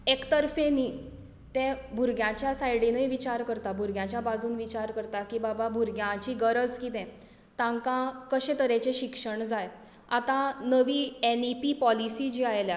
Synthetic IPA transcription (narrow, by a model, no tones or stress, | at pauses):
ekt̪əɾfeniː | t̪ɛ̃bʱuɾɡjãt͡ɕjasajɽinəjʋit͡ɕaɾkəɾt̪abʱuɾɡjãt͡ɕjabad͡zuːnʋit͡ɕaɾkəɾt̪akiːbababʱuɾɡjãt͡ɕiːɡəɾəd͡zkit̪ɛ̃ | t̪ãŋkãkəɕẽt̪əɾẽt͡ɕeɕikʂəɳd͡zaj | at̪ãnəʋiːenipipɔlisid͡ʑiajlja